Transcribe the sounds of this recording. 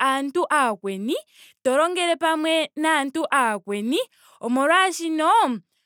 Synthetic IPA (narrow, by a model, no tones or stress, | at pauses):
antuʔakwɛni | tɔɾɔŋɡɛɾɛpamwɛnantuʔakwɛni | ɔmuɾwaʃinɔ